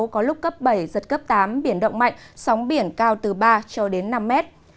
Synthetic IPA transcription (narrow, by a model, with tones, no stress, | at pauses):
kɔ˨˦lʊ˦˥k͡p̚kə˦˥p̚ɓə˧˩jzə˨˩t̚kə˦˥p̚t̪aː˨˦mɓi˧˩ənɗə̰˧˨wŋ͡mma̰˧˨jŋ̟sa˨˦wŋ͡mɓi˧˩ənkaː˧wt̪ɨ˨˩ɓaː˧t͡ɕɔ˧ɗe˨˦nːa˧mːɛ˦˥t̚